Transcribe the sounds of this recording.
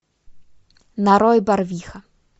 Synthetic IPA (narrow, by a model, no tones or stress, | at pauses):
naɾɔjbarvʲixɐ